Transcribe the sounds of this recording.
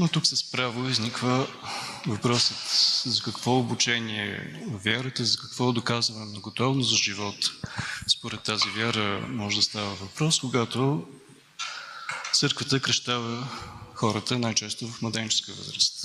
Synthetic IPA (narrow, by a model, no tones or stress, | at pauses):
not̪uksəspɾavoiznikvə | vɐpɾɔsət̪zɐkɐkv̥ɔʊbut͡ʃɛniɛ̰ovʲjaɾət̪əzɐkɐ̥kvɔd̪okazvənɛnɐɡot̪ɔvnʊszɐʒivɔt̪spoɾɛt̪ːazivʲjaɾəmɔʒɛd̪ɐst̪avəvɐpɾɔskʊɡat̪o | t̪sɤɾkvət̪əkɾɐʃt̪avəxɔɾət̪ənajt͡ʃɛst̪ovɐfmɐd̪ɛnt͡ʃɛskiəvə̰zɾəst̪